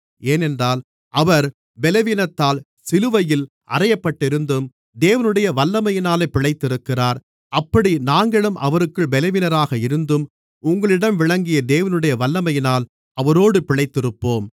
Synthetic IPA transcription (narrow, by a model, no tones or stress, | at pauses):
eːnɛndraːl | ʔɐʋɐɾ | bɛlɐʋiːnɐt̪ːaːl | sɪlɯʋɐjɪl | ʔɐ̰rɐjɐpːɐʈːɪɾɯnd̪ɯm | d̪eːʋɐnɯɽɐjɐʋɐlːɐmɐjɪnaːlepːɪɭɐɪt̪ːɪɾɯkːɪraːɾ | ɐpːɐɽinaːŋɡɐɭɐmʔɐ̰ʋɐɾɯkːɯɭbɛlɐʋiːnɐɾaːɣɐɪɾɯnd̪ɯm | ʊŋɡɐɭɪɽɐmʋɪɭɐŋɡɪjɐd̪eːʋɐnɯɽɐjɐʋɐlːɐmɐjɪnaːl | ɐʋɐɾoːɽɯpɪɭɐɪt̪ːɪɾɯpːoːm